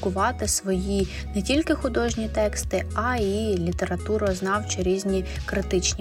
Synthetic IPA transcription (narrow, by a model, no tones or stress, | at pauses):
kʊʋɑt̪ɪsʋɔji | nɛtʲilʲkɪxʊd̪ɔʒnʲit̪ɛkst̪ɪɐilʲit̪eɾɐt̪uɾɔznɑwt͡ʃɪɾʲizʲnʲikɾɪt̪ɪt͡ʃnʲi